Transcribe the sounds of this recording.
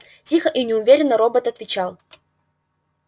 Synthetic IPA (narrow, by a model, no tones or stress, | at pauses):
tʲixəʔinʲɪʊvʲeɾʲɪnːəɾobət̪ɐt̪vʲɪt͡ɕalˠ